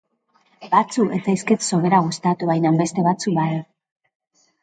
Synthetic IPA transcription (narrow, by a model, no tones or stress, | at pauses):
bat͡suʔe̞t͡sajskit̪so̞βe̞ɾaɣust̪at̪uβajnambe̞st̪e̞βat͡sukbaða